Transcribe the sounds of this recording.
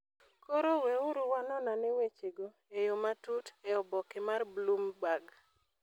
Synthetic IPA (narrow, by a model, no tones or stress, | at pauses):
kɔɾoweʊɾʊwanɔnanewet͡ʃeɡo | ejomatuteɔbɔkɪmarblumɡwaɡ